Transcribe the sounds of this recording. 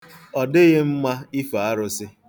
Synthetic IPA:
ɔ˨dɪ˦ɣe˦m̩˦ma˦i˦fa˨a˦ɾʊ˦sɪ˦

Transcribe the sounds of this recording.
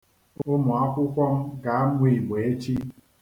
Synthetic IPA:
o˦mɔ˨a˦kʷʊ˦kʷɔ˦m˦ɡa˨a˦nʷ˦e˦i˨ɡ͡be˨e˦t͡ʃi˦

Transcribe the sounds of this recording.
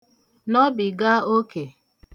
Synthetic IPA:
nɔ˦bi˨ɡa˦o˦ke˨

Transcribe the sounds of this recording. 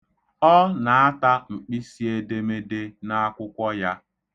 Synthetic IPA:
ɔ˦na˨a˦ta˦ŋ͡m̩˨k͡pi˦si˦e˨de˦me˦de˦na˦a˦kʷʊ˦kʷɔ˦ja˦

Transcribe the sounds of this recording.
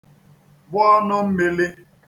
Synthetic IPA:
bʊ˦ɔ˦nʊ˦m̩˦me˦le˦

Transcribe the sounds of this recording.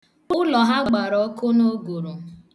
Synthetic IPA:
ʊ˦lɔ˨ɦa˦ɡ͡ba˨ɾɔ˨˦ko˦no˦ɡo˨ɾo˨

